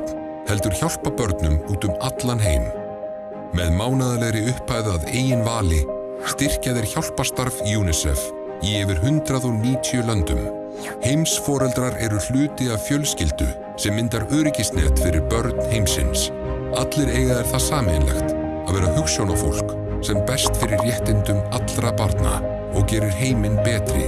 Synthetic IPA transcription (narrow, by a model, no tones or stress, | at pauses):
hɛl̪t̪ʏɾ̥çawl̥papœɾt̪nʏmuːt̪ʏmat̪lanɦeːjm | mɛðmaːwnaðalɛɣɾɪʏhpaːjðaðeːjɪnvaːlɪ | st̪ɪr̥caðɪɾ̥çawl̥past̪aɾvjuːnɪsɛ̰f | iɛvɪɾ̥ɦʏnt̪ɾaðɔniːt̪ʰiʏlœnt̪ʏm | hejmsfɔːɾɛlt̪ɾaɾɛɾʏl̥ʏːt̪ɪavfjœlscɪlt̪ʏ̰ | sɛmːɪnt̪aɾœːɾɪcɪst̪nɛ̰t̪fɪɾɪɾpœɾt̪̚n̥hejmsɪ̰ns | at̪lɛɾeːjɣaðɛɾ̥θaðsaːmɪɪnlɛ̰xt̪ | aðvɛːɾahʏxsjownafo̰wl̥k | sɛmpɛst̪fɪɾɪrrjɛht̪ɪnt̪ʏmat̪lɾapaɾt̪na̰ | ɔɣcɛːɾɪɾ̥ɦeːjmɪnpɛːt̪ɾɪ̰